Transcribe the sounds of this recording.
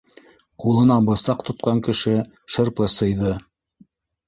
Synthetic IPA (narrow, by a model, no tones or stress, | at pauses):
qulˠɤ̆nɑbɤ̆sɑqt̪ŏt̪̚qɑŋkɘ̆ʃɘ | ʃɤ̆ɾpɤsɤ̆jðɤ